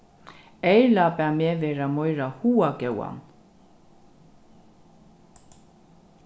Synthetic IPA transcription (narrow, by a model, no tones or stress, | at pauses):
ejlapɛmɛːvɛɾamɔʏɾahuːakɛwa̰n